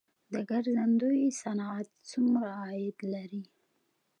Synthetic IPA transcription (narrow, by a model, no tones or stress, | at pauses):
d̪əɡaɾzand̪ojsanɑat̪t͡sumɾaːjɪd̪laɾi